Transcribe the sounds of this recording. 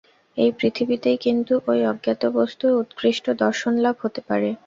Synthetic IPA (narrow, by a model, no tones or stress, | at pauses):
ejpɾit̪ʰibit̪ejkint̪uʔojɔɡjat̪obost̪ueut̪kɾiʃʈod̪ɔɾʃonlabʱɦot̪epaɾe